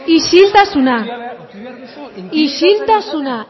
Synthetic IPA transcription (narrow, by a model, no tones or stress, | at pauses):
iʃilt̪asʊna | iʃilt̪asʊna